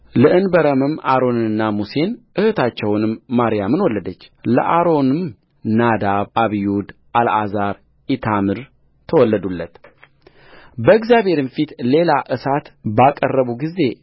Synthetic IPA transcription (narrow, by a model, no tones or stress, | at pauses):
lɨʔɨnbəɾəmɨmaɾo̞nɨɨnːamuse̞nʔɨhɨt̪ʰat͡ʃːɛwnɨmːaɾijamɨnwɔlːəd̪ət͡ʃːlə̰ʔaɾo̞nɨm | nad̪aβʔaβijud̪ | ʔalʔazaɾ | ʔit̪ʰamɨɾ | t̪ʰəwɔlːəd̪ulːət̪ | bəɨɡzjaβhe̞ɾɨmfit̪le̞laʔɨsat̪bakʼərːəβuɡize̞